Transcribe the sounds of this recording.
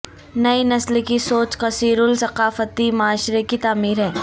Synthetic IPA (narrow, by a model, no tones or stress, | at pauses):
nɐinɐslkisoːt͡ʃqɐsiːɾʊlsɐqaːfət̪imʊaːʃɾekit̪aːmiːɾɦɛː